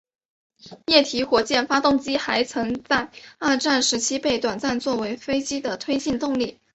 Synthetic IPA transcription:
jɛ˥˩t̪ʰi˧˥xwɔ˨˧˥t͡ɕjɛ˥˩nfa˥t̪ʊ˥˩ŋt͡ɕi˥xa˧˥ɪt͡sʰɤ˧˥ŋt͡sa˥˧ɪa˥˧ʈ͡ʂa˥˩nʂɻ̩˧˥t͡ɕʰi˥pe˥˩ɪt̪wa˨˩nt͡sa˥˧nt͡swɔ˥˩we˧˥ɪfe˥ɪt͡ɕi˥d̪ə˨t̪ʰwe˥ɪt͡ɕi˥˧nt̪ʊ˥˧ŋli˥˩

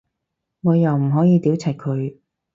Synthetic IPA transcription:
ŋɔː˨˧jɐ˨˩wm̩˨˩ɦɔː˨˥jiː˨˧t̪iː˨˥wt͡sʰɐ˨˩j̚kʰɵ˨˧ɥ

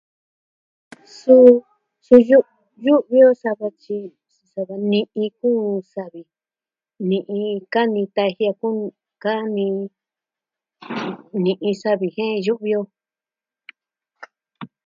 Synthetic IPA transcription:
su˦ | su˧ju˦ | ju˦ʔβi˦o˦sa˧βa˧t͡ʃi˧ | su˧sa˧βa˧nĩ˧ʔĩ˧kuː˦sa˧βi˨ | nĩ˧ʔĩ˧ka˦nĩ˧t̪a˧hi˧a˧ku˦ | ka˦nĩ˧ | nĩ˧ʔĩ˧sa˦βi˨hẽ˦˧ju˦ʔβi˧o˧

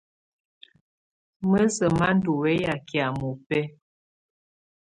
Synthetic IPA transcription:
mə˦sə˨ma˦n˦du˨wɛ˦ja˨kja˨mu˨pɛ˦

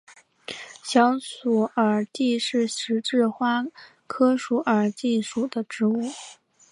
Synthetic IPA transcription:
ɕjɑ˧˥ŋsu˨˩ə˞˨˩t̪i˥˧ʂɻ̩˥˩ʂɻ̩˧˥ʈ͡ʂɻ̩˥˩xwa˥ | kʰɤ˥ʂu˧˥ʔə˞˨˩t̪i˥˧ʂu˨˩d̪ə˦ʈ͡ʂɻ̩˧˥u˥˩

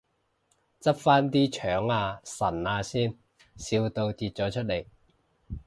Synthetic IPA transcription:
t͡sɐ˥p̚faː˥nt̪iː˥t͡ʃʰœː˨˥ŋaː˧sɐ˨˩naː˧siː˥n | si˧wt̪o˧wt̪iː˧t̚t͡sɔː˨˥t͡ʃʰɵ˥t̚le˨˩j

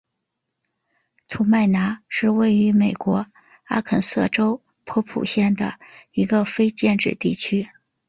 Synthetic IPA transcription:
t͡sʰu˨˧˥ma˥˩ɪna˧˥ʂɻ̩˥˧we˥˩ɪy˧˥me˨˩ɪkwɔ˧˥ | a˥kʰə˨˩nsɤ̰˥˩ʈ͡ʂo˥ʊ | pʰɤ˥pʰṵ˨˩ɕjɛ˥˩nd̪ə̰˩i˧˥ɡə˧fe˥ɪt͡ɕjɛ˥˧nʈ͡ʂɻ̩˥˧t̪i˥˩t͡ɕʰy˥

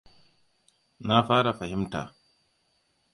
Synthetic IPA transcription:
na˦ɸaː˦ɾa˨ɸa˨hɪ˦mta̰ː˨

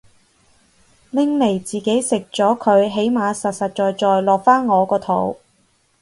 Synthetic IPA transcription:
lɪ˥ŋle˨˩jt͡siː˨ke˨˥jsɪ˨k̚t͡sɔː˨˥kʰɵ˨˧ɥɦe˨˥jmaː˨˧sɐ˨t̚sɐ˨t̚t͡ʃɔː˨jt͡ʃɔː˨jlɔː˨k̚faː˥nŋɔː˨˧kɔː˧t̪ʰo̰˨˥w

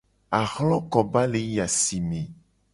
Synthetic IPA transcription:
a˨xlɔ̃˦kɔ˨ba˦le˨˦ja˨si˨mẽ˨

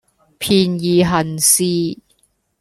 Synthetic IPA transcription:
pʰiː˨˧njiː˨ɦɐ˨˩nsiː˧

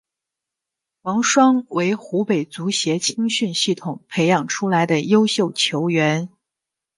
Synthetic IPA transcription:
wɑ˧˥ŋʂwɑ˥ŋwe˧˥ɪxu˧˥pe˨˩ɪt͡su˧˥ɕjɛ˧˥t͡ɕʰi˥ŋɕy˥˧nɕi˥˩t̪ʰʊ˨˩ŋpʰe˧˥ɪjɑ˨˩ŋʈ͡ʂʰu˥la˧˥ɪd̪ə˧jo˥ʊɕjo˥˩ʊt͡ɕʰjo˧˥ʊɥɛ˧˥n

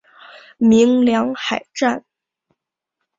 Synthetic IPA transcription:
mi˧˥ŋljɑ˧˥ŋxa˨˩ɪʈ͡ʂa˥˩n

